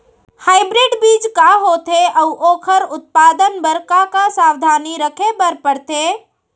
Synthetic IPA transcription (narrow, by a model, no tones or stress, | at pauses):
haːɪbɾɪɖbiːd͡ʒkaɦoːt̪ʰeʔɐʊʔoːkʰəɾʊt̪̚paːd̪ənbəɾkakasaːwd̪ʱaːniɾəkʰebəɾpəɾt̪ʰeː